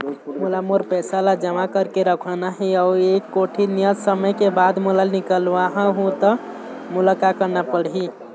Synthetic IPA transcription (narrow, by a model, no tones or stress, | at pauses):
mulamoɾpɛsalad͡ʒəmakəɾkeɾəkʰənaɦiaekːoʈʰinijəd͡ʒsəməkebad̪mulalnikəlʋaɦə̃ɦũt̪ə | mulakakəɾnapəɽɦi